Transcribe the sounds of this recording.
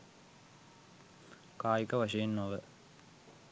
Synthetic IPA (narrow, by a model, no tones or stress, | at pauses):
kaːjikəʋaʂejenːoʋə